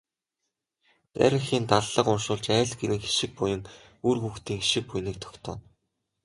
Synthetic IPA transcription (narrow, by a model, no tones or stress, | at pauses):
tæ̰ɾʲɪ̆ŋxiːnt̪aɮːə̆qʊnʃʊːɮt͡ɕæːɮɡeɾɘ̆ŋxi̥ʃɪ̆k̚pujɘ̆ŋ | urxuːxt̪iːŋxiʃɪ̆k̚pujniːk̚t̪ʰɔ̥kt̪ʰɔ̰ːn